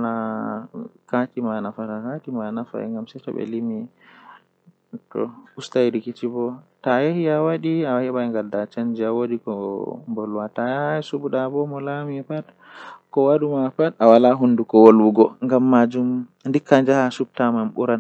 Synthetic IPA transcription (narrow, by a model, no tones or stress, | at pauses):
na | katimanafaɾakatimanafa̰ɛ̰ŋɡamsɛtɔ̰bɛ̰limi | tɔ̰ustajɾikit͡ʃibɔtajehiawaɗiaahɛɓaɛŋɡaldat͡ʃand͡ʒiawodikɔmbɔlwatasubuɗabɔmɔlamipat | kɔwaɗumapatawalaɦundukɔwolwuɡɔŋɡamːad͡ʒum | ndikːand͡ʒahasub̚tamamɓṵɾan